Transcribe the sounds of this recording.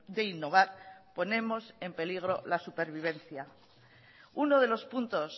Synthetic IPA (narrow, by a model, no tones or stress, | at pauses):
ðe̞inːo̞β̞aɾpo̞nẽ̞mo̞se̞mpe̞liɣ̞ɾo̞lasupe̞ɾβ̞iβ̞e̞n̟θja | uno̞ð̞e̞lo̞spunt̪o̞s